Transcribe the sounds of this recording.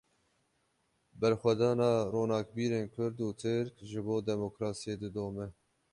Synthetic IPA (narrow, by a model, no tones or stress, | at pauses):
bɛɾxwɛd̪ɑːnɑːroːnɑːkbiːɾeːnkʷʰʊɾd̪uːt̪ʰɨɾkʒɨboːd̪ɛmokɾɑːsijeːd̪ɨd̪oːmɛ